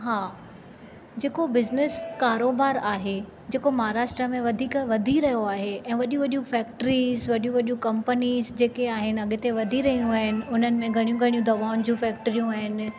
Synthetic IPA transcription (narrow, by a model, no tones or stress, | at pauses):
ɦaː | d͡ʑeːkobɪznɪskaːɾoːbaːɾaːɦe | d͡ʑeːkomɐɦaɾaːʃʈɾəmẽʋɐd̪ʱiːkʋɐd̪ʱiɾɐɦijoaːɦeɛ̃ːʋɐʄũʋɐɗũfɛːkʈɾizʋɐɗijũʋɐɗũkɐ̃mpəniːzd͡ʑeːkeaːɦɪnɪ̆ɐɠɪt̪eʋɐd̪ʱiɾɐɦijũaːɦɪnɪ̆ʊn̤ənɪ̆mẽɡʱɐɽ̃ijũɡʱɐɽijũd̪ɐʋaːʊnd͡ʑũfɛːk̚ʈəɾijũaːɦɪnɪ̆